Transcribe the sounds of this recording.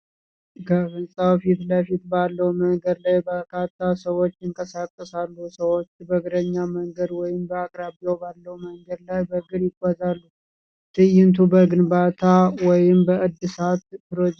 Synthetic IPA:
kʰəfɨnsʼawfit̪ləfit̪balːəwməŋɡəd̪lajbəkʰat̪ʰːasəwo̞t͡ʃːɪŋkʼəsakʼːəsalːusəwot͡ʃːbəɡɨɾəɲːaməŋɡəd̪wɔjɪmbəakʼɾabijobalːəwməŋɡəd̪lajbəɡɨɾjɪkʷʼːazalːu | t̪ʰɨjːɪnt̪ʰubəɡɨnbat̪ʰawɔjɪmbəʔɨd̪ːɨsat̪pɨɾod͡ʒ

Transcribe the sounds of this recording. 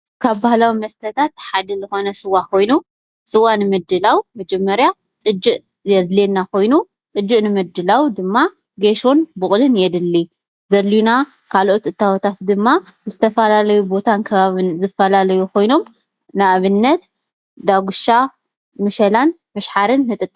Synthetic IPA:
kʰaβbahlawimɐst̪ʰɐt̪ʰat̪ħad̪ɨzɨxo̞nɐsɨwakʰo̞jnu | sɨwanɨmɨd̪ɨlawmɐd͡ʒɛmːɐɾja | t͡sʼɨd͡ʒːɨʔ | jɐzlenːakʰo̞jnu | t͡sʼɨd͡ʒːɨʔnɨmɨd̪ɨlawd̪ɨmːa | ɡeʃonbʊχʼlɨnjɛd̪ɨlːi | zɐlːuna | kʰalʔo̞t̪ʔɨt̪ʰːawɔt̪ʰat̪d̪ɨmːazɨt̪ʰɐfɐlalɐjubo̞t̪ʰankʰɐβaβɨnzɨfɐlalɐjukʰo̞jno̞m | naʔβɨnːɐt̪ | d̪aɡuʃa | mɨʃɐlan | mɨʃħaɾɨnːɨt̪ʼɨkʼː

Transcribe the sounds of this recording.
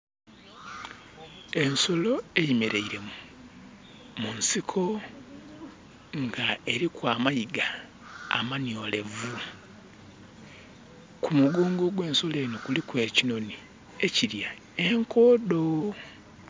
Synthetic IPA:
e̞nso̞lo̞e̞jimeɾe̞iɾe̞mu | munsikʰo̞ | ŋɡae̞ɾikwaːmajiɡa | a̰manjo̞ːle̞vu | kumuɡoːŋɡo̞ɡwe̞ːnso̞le̞ːnokulikwe̞ːcino̞ni | e̞ciɾja | eŋkoːdo̞

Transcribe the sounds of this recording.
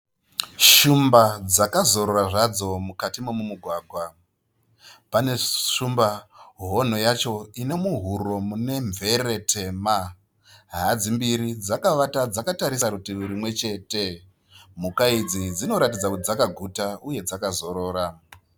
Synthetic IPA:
ʃumbad͡zakazo̞ɾoɾaʐad͡zo̞mukatimomumuɡʱwaːɡʱwa | pane̞ʂumbaɦo̞n̤o̞jat͡ʃo̞ine̞muɦuɾo̞mune̞ɱvʱe̞re̞tʰe̞ma | ɦad͡zimbiɾid͡zakaʋatad͡zakataɾisakutiuɾimwe̞t͡ʃe̞ːte̞ | mukaid͡zid͡zino̞ɾatid͡zakutid͡zakaɡʱutauje̞d͡zakazo̞ɾo̞ːɾa

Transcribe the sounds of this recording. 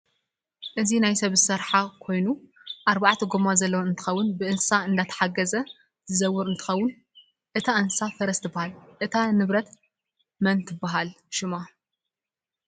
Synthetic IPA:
ʔɨzinajsɐβzɨsɐɾħakʰo̞jnuʔaɾbaʕt̪ʰɐɡomazɐlːɐwɨnt̪ʰɨ̥xɐwːʊnbɨʔɨnssaɨnd̪at̪ʰɐ̥ħaɡɐzɐ | zɨzɐwːʊɾɨnt̪ʰɨ̥xɐwːʊn | ʔɨt̪ʰaʔɨnssafɐɾɐst̪ʰɨbːahalʔɨt̪ʰanɨβɾɐt̪ | mɐnt̪ʰɨbːaɦal | ʃɪma

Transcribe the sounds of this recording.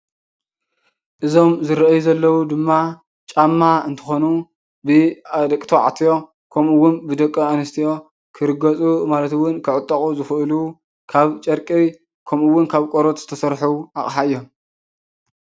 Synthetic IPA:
ʔɨzo̞mzɨɾɐʔjuzɐlːɐwud̪ɨmːa | t͡ʃʼamːaɨnt̪ʰɨ̥xonu | bɨad̪ɐkʼt̪ʰoʕa̰t̪ʰijo̞ | kʰɐmɨwʊnbɨd̪ɐkʼːɐanɨst̪ʰijo̞ | kʰɨɾɨɡɐt͡sʼumalɐt̪ɨwʊnkʰɨʕɨt̪ʼːɐχʼuzɨxɨʔɨlu | kʰaβt͡ʃʼɐɾkʼi | kʰɐmɨwːʊnkʰaβkʼoɾot̪z̥ɨt̪ʰɐsɐɾħuʔaχʼħaɨjːo̞m

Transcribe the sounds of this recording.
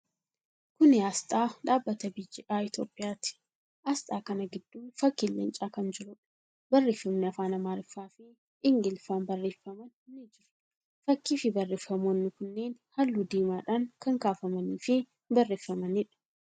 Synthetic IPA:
kʊnɪaːst̪ʼaːᶑaːbːɐt̪ɐbɪjːɪʔaːɪt̪joːpʼːɪjaːt̪ɪ̥ | ʔast̪ʼaːkɐnɐɡɪd̪̥ːuːnfɐkːɪlːɛ̰nt͡ʃʼaːkɐnd͡ʒɪɾʊᶑ | bɐrːeːfːɐmnɪɐfaːnɐmaːɾɪfːaːfɪ | ɪŋɡɪlfaːnbɐrːeːfːɐmɐnnːɪd͡ʒɪɾʊ̥ | fɐkːiːfɪbɐrːeːfɐmoːnːɪkʊnːe̞ːnhɐlːud̪eːmaːᶑaːŋkɐŋkaːfɐmɐniːfɪ | bɐrːeːfːɐmɐnɪᶑɐ̥

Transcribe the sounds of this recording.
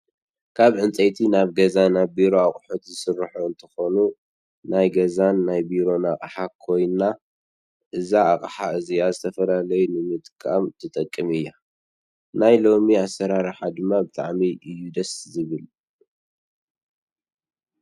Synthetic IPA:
kʰaβʕɨnt͡sʼejt̪ʰinaβɡɐzanabiɾo̞aχʼħot̪zɨsɨrħoɨnt̪ʰɐ̥xo̞nu | najɡɐzanːajbiɾo̞naχʼħakʰo̞jna | ʔɨzaːχʼħaɨzijazɨt̪ʰɐfɐlalɐjunɨmɨd̪kʼa̰mt̪ʰɨt̪ʼɐkʼːɨmɨjːa | najlo̞miasːɐɾaɾħad̪ɨmːabɨt̪ʼa̰ʕmiʔɨjːud̪ɐszɨβɨl

